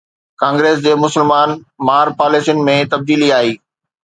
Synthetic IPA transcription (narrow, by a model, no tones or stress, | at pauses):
kãːŋɡɾeːs̬d͡ʑeːmʊsɪlmaːnmaːɾpaːleːsijnɪ̆mẽt̪ɐb̚d̪iːliaːɦiː